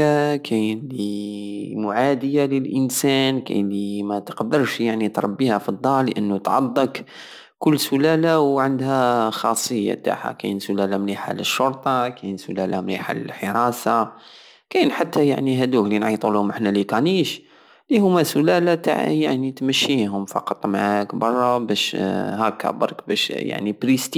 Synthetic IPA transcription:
akʰænli | mʊʕad̪əjaləlʔənsænkæ̰nimæt̪ə̥qd̪əɾˤʃjaʕnit̪ɾˤɑbːihæfid̪ˤːɑlːəʔənːut̪ʕɑ̰d̪ˤːək | kʊlːsʊlælawʕand̪hæxɑsˤːəjːa̰t̪a̰ħa̰kæ̰nsʊlælamliħa̰ləʃːʊɾt̪ˤɑkænsʊlælamlḭħa̰lə̰lħəɾˤɑsɑ | kæjnħat̪ːæja̰ʕniɦæd̪uklinʕit̪ˤulhʊmʔəħnælikæniʃ | lihʊmːæsʊlælat̪a̰ʕ̰jaʕnit̪məʃːiɦʊmfɑ̰qɑt̪ˤmaʕækbɑrˤːɑbæʃhækːæ̰bɑɾˤkbæʃja̰ʕnibɾist̪

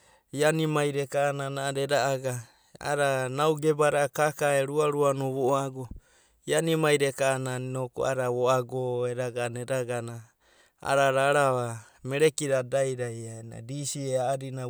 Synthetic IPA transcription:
ianimajɾekaːnanaɾeɾaʔaɡa | a̰ɾanawɡebaɾakakaeɾuaɾuanoβoaɡo | ianimajɾekaːnannoko̰a̰ɾaβoaɡoeɾaɡaneɾaɡana | a̰ɾaɾaɾaβa | meɾekiɾadajɾajaena̰ɾisieaːɾina

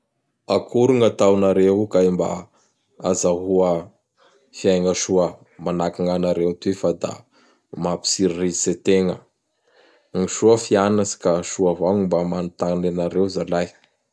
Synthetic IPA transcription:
akʰuɾuŋat̪awnaɾeɦukaimba̰ | azaɦuə | fiajŋəʃuə | manakiŋanaɾewt̪uefad̪a̰ | mapi̥siɾirizset̪eŋə | ŋiʃuəfianasi̥kaʃuavaŋimbamanut̪anenaɾewzalaj

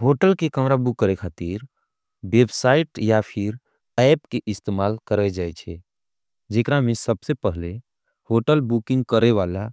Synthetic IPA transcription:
ɦoʈəlkekəmɾabukːəɾekʰat̪iɾ | bebsaiʈjapʰiɾ | ɛjpkeʔist̪emalkəɾəjd͡ʒajt͡ʃʰɛ | d͡ʒekɾamesəbsepəɦle | hoʈəlbukĩŋɡ̚kəɾeʋala

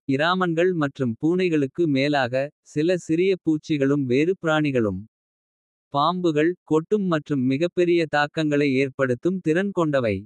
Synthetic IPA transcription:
ɪɾaːmɐnɡɐɭmɐʈrɯmpuːnɐɪɣɐɭɯkːɯmeːlaːɣɐsɪlɐsɪɾɪjɐpuːt͡ʃːɪɣɐɭɯmʋeːɾɯpɪɾaːɳɪɣɐɭɯ̰m | paːmbɯɣɐɭkɔʈːɯmːɐʈrɯmːɪɣɐpːɛɾɪjɐt̪aːkːɐŋɡɐɭɐɪeːrpɐɽɯt̪ːɯmt̪ɪɾɐnkɔɳɖɐʋɐɪ

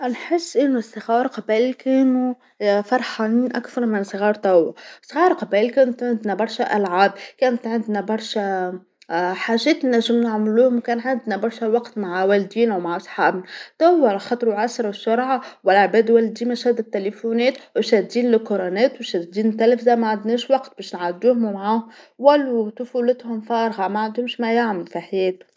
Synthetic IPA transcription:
ʔnħɪsːʔɪnːʊsˤːɨɣɑːɾˤqɑbælkɛːnu | fɑɾˤħaːniːnʔakθɑɾˤmɪnsˤɨɣɑːɾˤt̪æwːasˤɣɑːɾˤqɑbælkɛːnt̪ʕɪnd̪næbɑɾˤʃæʔælʕaːbkæːnət̪ʕɪnd̪næbɑɾˤʃæ | ħaːʒɛːt̪næʒːɪmnaʕmluːhʊmwkæːnʕɪnd̪næbɑɾˤʃæwɑqt̪maʕwæld̪iːnwmaʕʔɑsˤħɑːbnt̪æwːælxɑt̪ˤɾuʕasɾˤʃːʊɾˤʕawɪlʕbɛːd̪wæld̪iːmæʃæd̪ɪt̪ːelefunɛːt̪wʃæd̪d̪iːnlɪqʊɾɑnɛːt̪wʃæd̪d̪iːnt̪ːælfzamaʕand̪nɛːʃwɑqt̪̚bɛːʃnʕad̪uːhʊmmʕaːhʊm | wælːut̪ʊfulɪt̪hʊmfɑːɾɣɑmæʕand̪hʊmʃmæjaʕmɪlfiħajɛːt̪ʊ̥m

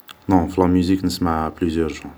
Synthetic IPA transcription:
nɔ̃flɑ̃myziknəsmaplyzjœɾʒɑ̃

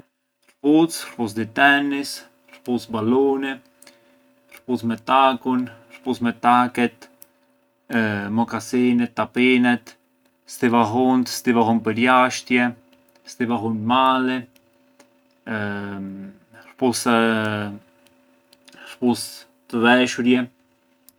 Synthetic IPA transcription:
ɾput͡sɾpus̬d̪it̪ɛnis | ɾpusbaluni | ɾput͡smɛt̪akun | ɾput͡smɛt̪akɛt̪ | mɔkasinɛt̪ːapinɛt̪ | st̪ivaɦunt̪st̪ivaɦunpəɾjaʃt̪jɛ | st̪ivaɦunmalɛ | ɾpus | ɾpus | t̪əðɛʃuɾjɛ

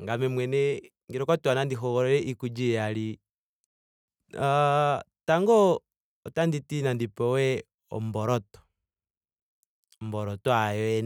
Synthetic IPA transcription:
ŋɡamɛmwɛnɛ | ŋɡiɾɔkɔtwanandiɦɔɣɔɾɛɾɛʔikud͡ʒijaɾi | ataŋɡɔː | tanditinandipɔwɛ | ɔ̰mbɔɾɔtɔ̥ | mbɔɾɔtɔajɔɛ

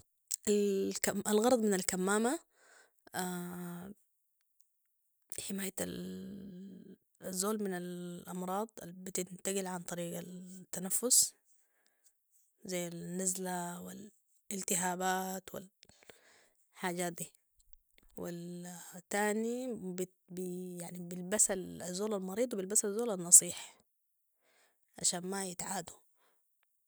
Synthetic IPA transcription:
ʔalkaʔalɣɑɾˤɑd̪ˤmɪnalkamːaːma | a | ħɪmaːjat̪a̰l | zːoːlmɪnalʔɑmɾˤɑːd̪ˤalbit̪ɪnt̪aɡɪlʕant̪ˤɑɾiːɡat̪ːanafːʊs | zajːanːazlawɪl | ɪlt̪ɪɦaːbaːt̪wɪ̰l | ħaːɟaːt̪̚d̪iː | wilt̪ːaːnib | bijaʕnibɪlbasalazːoːlalmɑɾiːd̪ˤwbɪlbasazːoːlanːɑsˤiːħ | ʕa̰ʃaːnmajɪt̪ʕaːd̪u

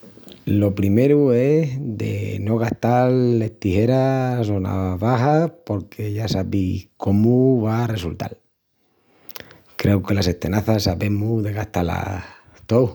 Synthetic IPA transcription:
lo̞pɾime̞ɾue̞sðe̞̰no̞ɣ̞aht̪aɾlːe̞ht̪ihe̞ɾaso̞na̰βaɦapo̞ɾkʰe̞ʝasaβihko̞muβare̞sult̪a̰l | kɾe̞uke̞lase̞ht̪e̞naθasaβe̞muðe̞ɣaht̪ala̰ | t̪ow

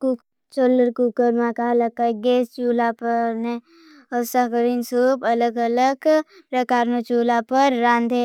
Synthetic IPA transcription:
ku | t͡ʃolːəɾkukəɾmãkaləkːaɡeːst͡ʃuːlapəɾne | əsakəɾinsuːbɐləɡələɡ | pɾəkaːɾnot͡ʃuːlapəɾːãːnd̪ʱe

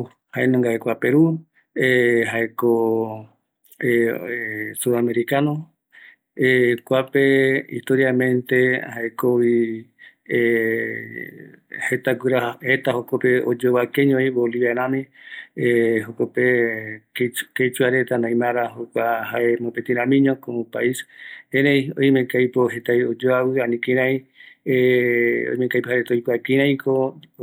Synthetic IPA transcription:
haenõŋɡaekʷapeɾu | eɦaeko | eesuɾameɾikanõ | ekʷapeḭht̪oɾjamẽnt̪ehaekowi | het̪aɡɨɾahet̪ahokopeod͡ʒoβakeɲõiβoliβanãmĩ | ɦokopekeket͡ʃuaɾet̪anãj̃mãɾahokʷahaemõpet̪ĩɾãmĩɲõkopaisẽɾejo̰jmẽkajpoɦet̪ajod͡ʒoawɨanĩkĩɾãj̃ | o̰jmẽŋkajpohaɾet̪aojkʷakĩɾãj̃ko

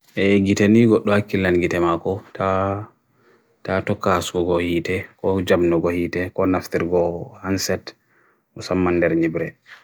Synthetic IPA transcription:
ʔɛɡiteniɡɔɗːɔhakːilanɡitɛmakɔtʰa | tatɔkːaasuɡɔɡɔhiːtɛkɔd͡ʒabnɔɡɔhitɛkɔnaftiɾɡɔhansɛt | ʔɔsamːandɛɾɲibɾɛ

